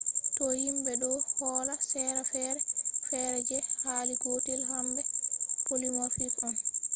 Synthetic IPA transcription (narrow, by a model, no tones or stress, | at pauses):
tɔhimbɛɗɔhɔːlasɛɾɛfɛɾɛfɛɾɛd͡ʒɛhaːliɡotilɦambɛpolimafikɔn